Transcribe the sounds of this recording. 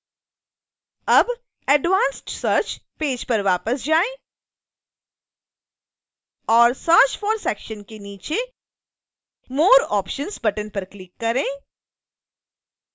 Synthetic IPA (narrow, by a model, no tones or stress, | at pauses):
ɐb | ɛɖʋãːnsʈsəːɾt͡ʃpeːd͡ʒpɐɾʋaːpəsd͡ʒaːẽ | ɔːɾsəːɾt͡ʃfɔːɾsɛːkʃənkeniːt͡ʃe | moːɾɔːpʃənsbɐʈənpɐɾklɪkːɐɾẽː